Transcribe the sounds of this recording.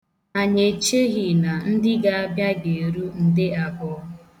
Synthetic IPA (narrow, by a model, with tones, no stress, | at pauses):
a˨ɲe˨t͡ʃe˦ɣi˨na˨n̩˦dɪ˦ɡa˦a˦bja˦ɡe˨ɾu˦n̩˦dɪ˦a˨bɔ˨˦